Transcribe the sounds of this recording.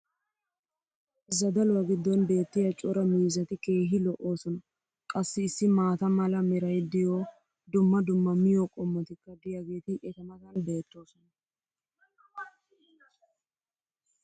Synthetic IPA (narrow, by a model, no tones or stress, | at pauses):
ɪzːɐd̪ɐlɔwɐɡɪd̪ːɔnbe̞ːt̪ːɪjɐt͡ʃʼɔɾɐmiːzɐt̪ɪke̞ːɦɪlɔʔo̞ːsɔnɐ | kʼɐsːɪːsːɪmaːt̪ɐmɐlɐmɛɾɐjd̪ɪjoː | d̪ʊmːɐd̪ʊmːɐmɪjɔkʼɔmːɔt̪ɪkːɐd̪ɪjɐɡe̞ːt̪ɪʔɛt̪ɐmɐt̪ɐnbe̞ːt̪ːo̞ːsɔnɐ